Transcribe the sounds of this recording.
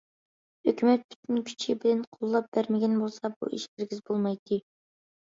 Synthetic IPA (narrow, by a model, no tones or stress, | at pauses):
høkʲymɛt̪̚pʰy̥t̪ʰynkʲʰy̥t͡ʃʰibɪlɪnqʰolˠːɑp̚b̥æɾmɪɡʲɛnbolˠsɑbṵʔiʃbɪɾɡʲizbolˠmɑjt̪ʰɨ